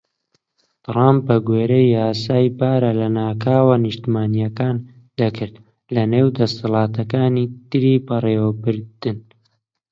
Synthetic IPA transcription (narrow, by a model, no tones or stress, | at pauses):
t̪ɾamp̚bɐɡweːɾɐjaːsaːjbaːɾɐlɐnaːkʰaːwɐnɨʃt̪imaːnijɐkaːn | d̪ɐkʰɨɾt̪ | lɐneːwd̪ɐst̪ɨlˠɑːt̪ʰɐkaːniːt̪ɨɾiːbɐreːwɐbɨɾd̪̥ɨn